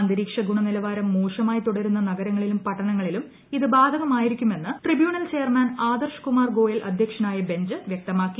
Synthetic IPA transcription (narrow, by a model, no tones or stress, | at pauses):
ɐnd̪iɾiːkʂɐɡuɳɐnilɐʋaːɾɐmːuːʂɐmaːjit̪uɽɐɾunːɐnɐɡɐɾɐŋːɐɭilumpɐʈʰːɐɳɐŋːɐɭilum | iðɨbaːd̪ʱɐɣɐmaːjiɾikʲːume̞nːɨʈribjuːɳɐlt͡ɕe̞ːjɐrmaːnaːd̪ɐrʂkumaːrɡo̞ːjɐlʔɐ̰d̪ʱjɐkʂɐnaːjɐbe̞ɲd͡ʑɨʋjek̚t̪ɐmaːkːi